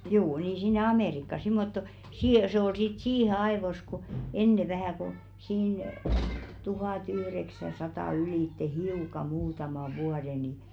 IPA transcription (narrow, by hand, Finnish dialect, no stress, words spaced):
juː niː sinːe ɑmeˑrikːɑ simːotːo siː se ol sit siːhe ɑeʋos ku enːe ʋæhæˑ ko̝ siːn tuhɑˑtyhreksæsɑtɑˑ yliˑtːe hiukɑ muːtɑmɑ ʋuɑde ni